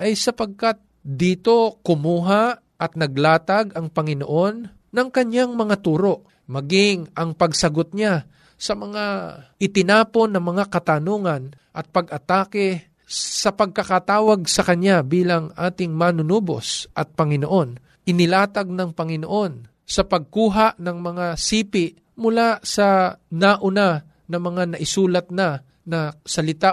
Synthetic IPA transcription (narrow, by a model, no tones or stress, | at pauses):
ʔɐjsɐpɐɡ̚kat̪̚d̪iːt̪o̞kʊmuːɦa | ʔɐt̪̚nɐɡ̚laːt̪aɡɐŋpɐŋɪno̰ʔo̞nː | ɐŋkɐɲjaŋmɐŋat̪uːɾo̞ʔ | mɐɡɪŋʔɐŋpɐɡsɐɡot̪̚ɲa | sɐmɐŋaʔɪt̪ɪnaːpo̞nːɐŋmɐŋakɐt̪anoːŋɐn | ʔɐt̪̚pɐɡʔɐt̪aːkɛ | sɐpɐɡ̚kɐkat̪aːwɐɡsɐkɐnabiːlɐŋʔa̰ːt̪ɪŋmanʊnoːbo̰sʔɐt̪̚pɐŋɪnoʔo̞n | ʔɪnɪlaːt̪ɐɡ̚nɐŋpɐŋɪno̞ʔo̞n | sɐpɐɡ̚kuːɦaʔnɐŋmɐŋasiːpɪʔ | mʊlasɐnaʔʊna | nɐmɐŋanɐʔɪsuːlɐt̪̚nɐ | nɐsɐlɪt̪a